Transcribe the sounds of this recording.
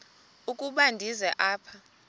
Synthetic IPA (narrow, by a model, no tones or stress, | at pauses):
ukʼuɓandʱizɛʔaːpʰa